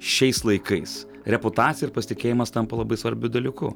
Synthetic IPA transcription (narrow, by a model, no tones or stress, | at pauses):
ʃʲɛɪslˠɐɪkɐɪs | ɾʲɛpʊt̪ɑːt̪ʲɪjɛɪɾpɐsʲɪt̪ʲɪkʲeːjɪmɐst̪ɐmpɐlˠɐbɐɪsʋɐɾʲbʲʊd̪ɐlʲikʊ